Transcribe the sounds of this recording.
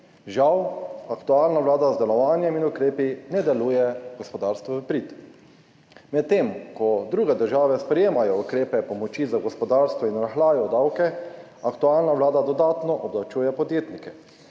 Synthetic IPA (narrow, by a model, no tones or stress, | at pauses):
ʒawakt̪uaːlnaʋlaːd̪azd̪ɛlɔʋaːnjɛminukɾeːpinɛd̪ɛluːjɛɡɔspɔd̪aːɾst̪ʋɔpɾit̪ | mɛt̪ːemkɔd̪ɾuːɡɛd̪əɾʒaːʋɛspɾɛjeːmajɔukɾeːpɛpɔmɔt͡ʃizaɡɔspɔd̪aːɾst̪ʋɔinɾaxlaːjɔd̪awkɛ | akt̪uaːlnaʋlaːd̪ad̪ɔd̪aːt̪nɔʔɔblawt͡ʃuːjɛpɔd̪jeːt̪nikɛ